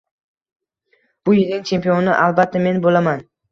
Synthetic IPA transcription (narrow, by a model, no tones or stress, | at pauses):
b̥ʊjɪlnɪŋt͡ʃʰe̞mpionɪʔalˠbat̪ʰːame̞nbolaman